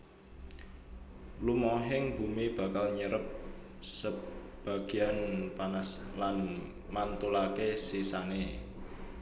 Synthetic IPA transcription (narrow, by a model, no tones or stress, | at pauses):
lumoɦɪŋb̥ṳmib̥a̤kalɲəɾəp̚ | sə | b̥a̤ɡ̥i̤anpanaslan | mant̪ulakesisane